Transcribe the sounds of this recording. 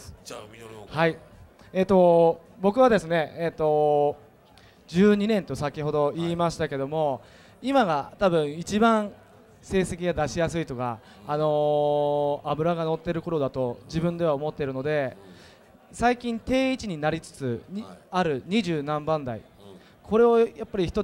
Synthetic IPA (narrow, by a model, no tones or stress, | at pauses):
hai | eːt̪ːo̞ | bo̞kɯβad̪e̞sɨne̞et̪ːo̞ | d͡ʑɨːɲ̟inẽ̞nt̪o̞sakʲiho̞d̪o̞iːmaɕi̥t̪ake̞d̪o̞mo̞ | imaɡat̪abɯ̟̃ɰ̃it͡ɕibãɰ̃ | se̞ːse̞kʲiɡad̪aɕijasɨit̪o̞kaː | no̞ | abɯ̟ɾaɡano̞t̪ːe̞ɾɯ̟ko̞ɾo̞d̪at̪o̞d͡ʑibɯ̟̃nd̪e̞βaomo̞t̪ːeɾɯ̟no̞d̪e̞ | saikʲĩnt̪e̞ːit͡ɕiɲ̟inaɾʲit͡sɨ̥t͡sɨaɾɯ̟ɲ̟iʑɨːnãmbãnd̪aḭ | kʰo̞ɾe̞o̞japːaɾʲiçi̥t̪o̞